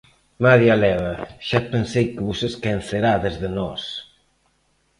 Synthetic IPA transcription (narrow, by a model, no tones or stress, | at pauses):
maðjalɛβɐʃapensejkeβusesken̟θeɾaðezðenɔs